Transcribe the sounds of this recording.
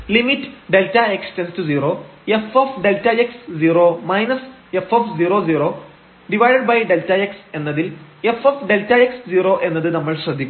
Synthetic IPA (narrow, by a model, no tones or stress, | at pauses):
limitːɨɖe̞ltːɐekstenstud͡ʑiːroːefoːfɖe̞ltːɐeksd͡ʑiːroːmɐjnɐs | efoːfd͡ʑiːɾo̞ːd͡ʑiːroː | ɖiʋɐjɖɐɖ̚bɐjɖe̞ltːɐekse̞nːɐðilefofɖe̞ltɐeksd͡ʑiːro̞ːʔe̞nːɐðɨnɐmːɐɭɕrɐd̪ʱːikʲːu